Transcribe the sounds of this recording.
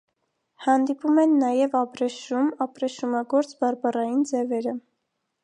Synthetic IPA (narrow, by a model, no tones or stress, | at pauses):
hɑnd̪ipumɛnːɑjɛvɑpɾɛʃumɑpɾɛʃumɑɡɔɾt͡sbɑɾbɑrɑjind͡zɛvɛɾə